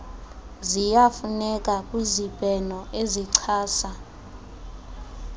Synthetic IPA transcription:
zijafunɛkʼakʼwizib̥ʱʼɛnɔʔeziǀʰaːsa

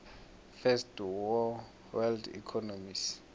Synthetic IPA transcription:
fɛstwɔ | wɛldḭkʰɔnomis

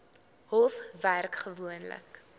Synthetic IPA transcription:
ɦɔlˠfværkχəvuənlə̰k

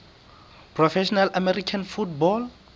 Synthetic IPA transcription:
pʰrɔfɛʃɔnalamɛrikʰanfutbɔl

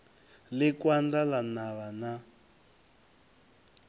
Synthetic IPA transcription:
lɪkwandalanaβana

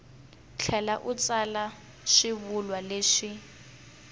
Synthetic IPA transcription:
t͡ɬʰɛlaʔut͡sala | ʃiβulwaleːʂi

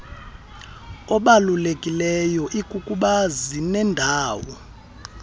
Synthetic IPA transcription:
ɔɓalulekʼilɛjɔʔikʼukʼuɓazinɛndʱaːwɔ

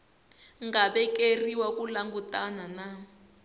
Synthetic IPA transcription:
ŋɡaɓɛkeriwakulaŋɡutanana

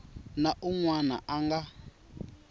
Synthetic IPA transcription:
naʔuŋwana̰ʔaŋɡa

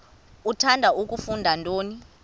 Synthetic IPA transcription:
utʰandʱaʔuk̬ʼufundʱantʼoːni

